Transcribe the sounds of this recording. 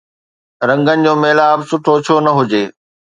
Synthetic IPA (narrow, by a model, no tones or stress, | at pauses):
ɾɐ̃ŋɡənɪ̆d͡ʑoːmeːlaːbsʊʈʰot͡ɕʰonɐɦʊd͡ʑeː